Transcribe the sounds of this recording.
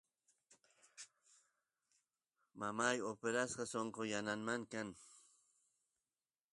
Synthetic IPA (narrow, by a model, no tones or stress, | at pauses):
mamajopeɾasqɑsoɴqojananmaŋkaŋ